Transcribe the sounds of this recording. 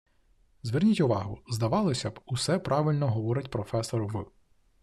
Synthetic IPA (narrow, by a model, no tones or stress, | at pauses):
zʋɪrnʲitʲʊʋɑɦʊzd̪ɐʋɑlˠɪsʲɐbʊsɛpɾɑʋɪlʲnɔɦɔʋɔɾɪtʲpɾɔfɛsɔɾʊʋɨ